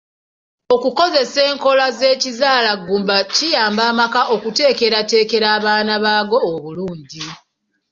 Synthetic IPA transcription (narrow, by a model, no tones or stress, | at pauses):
o̞kuko̞ze̞se̞ːŋko̞laze̞ːcizaːlaɡuːmbacijaːmbaːmakaʔo̞kute̞ːke̞ɾate̞ːke̞ɾaːβaːnaβaːɡo̞ːβuluːɲɟi